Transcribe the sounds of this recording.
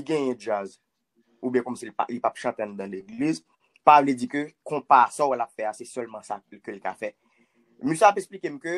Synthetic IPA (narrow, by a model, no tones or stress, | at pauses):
liɡɛ̃jɛ̃d͡ʒaz | ubjɛ̃kɔmsilpa̰lipapʃãt̪ãnud̪ãleɡliz | pavled͡zikøkɔ̃pasawɛlapfɛasɛsœlmãsakølka̰fɛ | mysaapɛksplikemkø